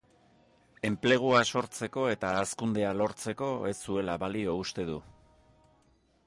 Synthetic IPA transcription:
e̞mple̞ɣ̞uaso̞ɾt͡se̞ko̞e̞t̪aːskund̪e̞alo̞ɾt͡se̞ko̞e̞sːue̞laβalio̞ust̪e̞ðu

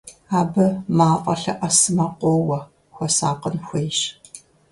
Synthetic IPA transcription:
aːbɨmaːqʼɐɬɐʔɐsɨmɐqʷoːwɐ | xʷɔsaːqənxʷejʃ

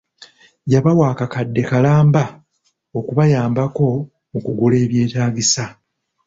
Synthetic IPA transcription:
ɟaβawaːkakadːe̞kalaːmba | okuβajaːmbako̞ | mukuɡule̞ːβje̞ːtaːɟisa

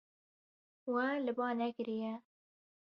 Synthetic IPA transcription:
wɛlɨbɑːnɛkɨɾijɛ

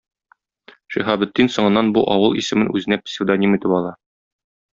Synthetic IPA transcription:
ʃiɦɑbɘ̆t̪ːinsŏɴɤ̆nːɑnbuʔɒwɤlˠisɘ̆mɘnʉzɘ̆næpsʲɪd̪onʲimit̪ɘpɒlˠɑ

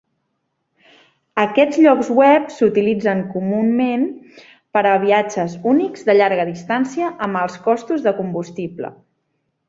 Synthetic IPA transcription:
əkɛd͡zʎɔkzwɛpsut̪ilid͡zəŋkumummen | pəɾəβ̞iad͡ʒəzunikzd̪əʎaɾɣəðist̪ansiəʔəməlˠskɔst̪uzðəkumbust̪iplə̰

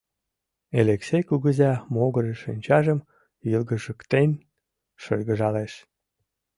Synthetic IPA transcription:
eleksejkuɣəzɑmoɣəɾəʃinʲt͡ɕɑʒəm | jilɣəʒəkt̪enʲ | ʃəlʲɣəʒɑleʃ

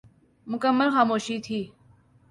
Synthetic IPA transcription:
mʊkəmːəlxaːmoːʃiːt̪ʰiː

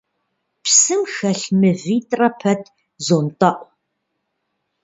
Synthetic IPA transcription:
psɨmxɐɬmɨviːtʼrɐpʰɐtʰ | zontʼɐʔʷ

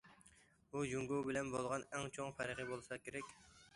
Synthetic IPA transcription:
bujuŋɡuwbɪlɛnbolˠʁɑnɛŋt͡ʃʰoŋfæɾʁəbolˠsɑkʲeɾɛkʲ

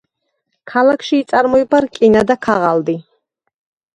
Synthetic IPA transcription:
kʰalakʰʃiːt̪sʼaɾmɔibaɾkʼinad̪akʰaʁald̪i

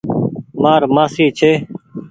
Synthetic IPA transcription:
maːɾmaːsiːt͡ʃʰeː

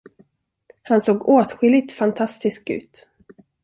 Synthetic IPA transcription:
hansoːɡoːt̪ɧɪlːɪt̪fant̪ʰast̪ɪsk̚ʉ̟̰ːt̪

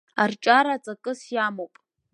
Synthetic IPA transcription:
art͡ʃʼaɾat͡sʼakʼɨsjaːmopʼ

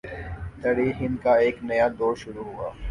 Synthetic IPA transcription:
t̪ɐɽiːxɪnkaeːknɐjad̪oːɾʃʊɾuɦua̰ː

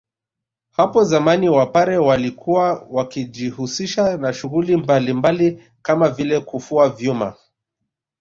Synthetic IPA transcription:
hapɔzamaniwapaɾɛwalikʰuwawakid͡ʒihusiʃanaʃuɣulimbalimbali | kamavilɛkufuavjuma̰

